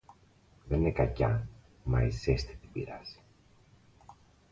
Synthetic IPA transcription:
ðennekɐcɐ̰ | mɐisest̪i̥t̪ibiɾɐ̰si̥

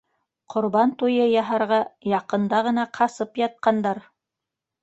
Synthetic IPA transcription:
qʰŏɾβɑnt̪ujɤjɑɦɑɾʁɑjɑqɤ̆nd̪ɑʁɤ̆nɑqʰɑsɤpjɑt̪̚qɑnd̪ɑɾ

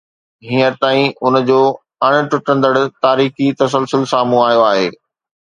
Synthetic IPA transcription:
ɦĩːəɾt̪aːĩʊnd͡ʑoː | ɐɽ̃ʊ̆ʈʊʈə̃nd̪əɽt̪aːɾiːxit̪ɐs̬əlsʊlsaːmũaːjoaːɦeː

